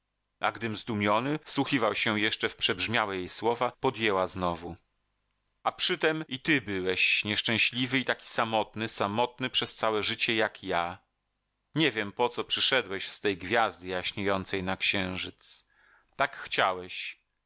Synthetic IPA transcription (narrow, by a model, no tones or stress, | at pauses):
a̰ɡd̪ɘmzd̪umʲjɔnɘfswuxʲivawɕɛjɛʂt͡ʂɛfpʂɛbʐmʲjawɛjejswɔvapɔd̪jɛwaznɔvu | apʂɘt̪ɛmit̪ɘbɘwɛɕɲɛʂt͡ʂɛ̃w̃ɕlʲivɘit̪akʲi̥samɔt̪nɘsamɔt̪̚nɘpʂɛst̪sawɛʐɘt͡ɕɛjakja | ɲɛvʲjɛmpɔt̪sɔpʂɘʂɛd̪wɛɕst̪ɛjɡvʲjazd̪ɘjaɕɲejɔnt̪sɛjnakɕɛ̃w̃ʐɘt̪s | t̪akxt͡ɕawɛɕ